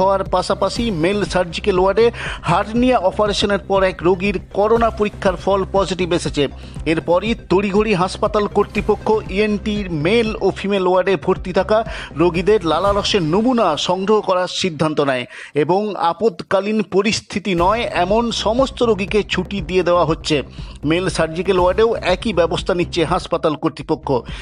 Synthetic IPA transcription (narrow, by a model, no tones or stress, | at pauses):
ɔoaɾpaʃapaʃimelsaɾd͡ʑikeloaɖehaʈnijaɔpaɾeʃoneɾpɔɾɛkɾoɡiɾkɔɾonapoɾikʰːaɾfɔlpɔd͡ʑiʈibeʃet͡ɕʰe | eɾpɔɾit̪oɽiɡʱoɽiɦaʃpat̪alkoɾt̪ɾipokʰːoʔienʈimelofʰimeloaɾɖebʱoɾt̪it̪ʰakaɾoɡid̪eɾlalalɔʃeɾnobunaʃɔŋɡɾoɦokɔɾaɾʃid̪ʱːant̪onɛe | eboŋa̰pod̪kalinpoɾist̪ʰit̪inɔeɛmonʃɔmost̪oɾoɡiket͡ɕʰuʈid̪ied̪eoaɦotːɕʰemelsaɾd͡ʑikeloaɾɖeoɛkibɛbost̪ʰanitːɕʰeɦaʃpat̪alkoɾt̪ɾipokʰːo